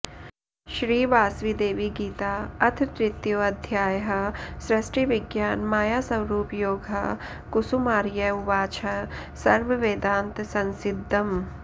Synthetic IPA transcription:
ʃɾiːʋaːsʋid̪eːʋiɡiːt̪aːɐt̪ʰt̪ɾɪt̪joːɐd̪ʱjaːjɦɐ̆sɾɐʃʈɾiʋɪɡjaːnmaːjaːsɐwɾuːpjoːɡʱɐ | kusumaːɾjɐuʋaːt͡ʃʰɐ | sɐɾʋɐʋeːd̪ãːnt̪sɐ̃nsɪd̪ʱːɐm

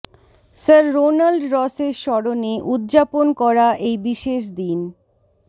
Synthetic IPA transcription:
səɾːonalɖɾɔseɾʃɔɾoneʔud̪d͡ʑaponkɔɾaʔejbiʃeʃ̬d̪in

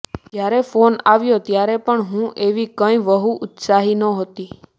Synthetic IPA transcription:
d͡ʒjaɾɛfonaʋjot̪jaɾɛpəɳɦũʔeʋikə̃ĩʋəɦuʔʊt̪saɦinəɦot̪i

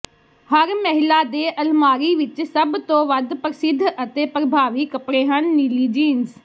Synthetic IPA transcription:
hɐɾmɐɦɪlad̪eːʔɐlmaːɾiʋɪt͡ʃsɐbt̪õːʋɐd̪ʱpəɾɪsɪd̪ʱʔɐt̪eːpɾɐbʱaːʋikɐpɽeɦənːiliːd͡ʒiːnz

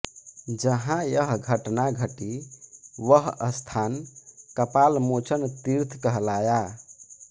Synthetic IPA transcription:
d͡ʒəɦãjəɦɡʱəʈnaɡʱəʈi | ʋəɦə̰st̪ʰankəpalmot͡ʃʰənt̪iɾt̪ʰkəɦlaja

